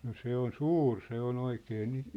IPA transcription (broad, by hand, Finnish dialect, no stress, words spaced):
no se on suːr se on oikeː ni